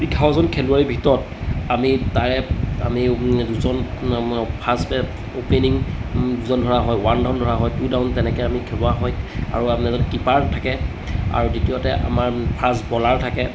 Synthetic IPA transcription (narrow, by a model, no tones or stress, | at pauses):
iɡʰʱaɔzɔnkʰeluaɹibʱitɔɹɔt | amitaɹɛa̰miduzɔn | pʰasbɛ | openiŋduzɔndʱɔɹaɦɔjwandaʊndʱɔɹaɦɔjtudaʊntɛnɛkɛamikʰɛbɔaɦɔja̰ɹuapnɛzɔnkipaɹtʰakɛ | a̰ɹuditijɔtɛʔa̰maɹpʰasbɔlaɹtʰakɛ